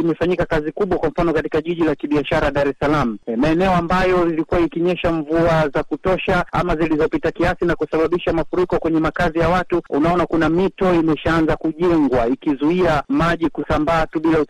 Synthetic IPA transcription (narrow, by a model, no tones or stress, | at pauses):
imɛfaɲikakazikuɓwakwam̩fanɔkatikaʄiʄilakiɓiaʃaɾaɗaɾɛsalam̩maɛnɛɔambajɔilikuwaikiɲɛʃaɱvuazakutɔʃaa̰mazilizɔpitakiasinakusaɓaɓiʃamafuɾikɔkwɛɲɛmakazijawatuunaɔnakunamitɔimɛʃaanzakuʄɛŋɡwaikizuiamaʄikusambaːtuɓilau